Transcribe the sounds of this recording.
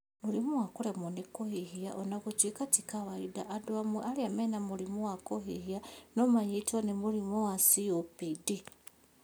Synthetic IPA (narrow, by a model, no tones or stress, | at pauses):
mulimuwakulemonikohihiaʔonaɣut͡ʃwikatikaβaidaʔːdoamualiamenamulimuwakoɦihianomaɲitonemulimoasiopidi